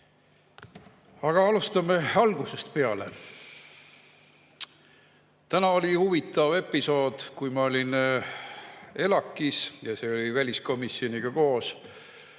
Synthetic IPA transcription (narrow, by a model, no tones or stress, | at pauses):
ɑɡ̥ɑɑlust̪ɑme̞ɑlɡ̥use̞st̪pe̞ɑle̞̰ | t̪ænɑo̞lʲihuvit̪ːˑɑve̞pːˑiso̞ːd̪̥kujmɑo̞lʲin | e̞lɑkːˑisjɑse̞ːolʲivælʲisko̞misːio̞niɡ̥ɑko̞ːs